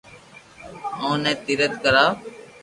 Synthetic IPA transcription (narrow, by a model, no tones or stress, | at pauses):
õːnɛ̃ːt̪iːɾət̪kəɾaː